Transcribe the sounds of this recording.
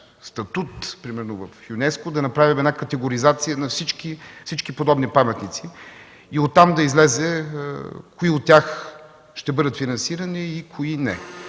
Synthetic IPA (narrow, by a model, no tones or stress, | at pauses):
st̪ɐt̪ut̪pɾimɛɾnʊvəfjʊnɛskʊd̪ɐnɐpɾavʲimɛnakɐt̪ɛɡoɾizat̪sijənɐfsit͡ʃkifsit͡ʃkipod̪ɔbnipamɛt̪nit̪si | iot̪ːamd̪ɐizlɛzɛ | kʊiot̪̚tːʲax | ʃt̪ɛbɤd̪ət̪finɐnsiɾɐniikʰoinɛ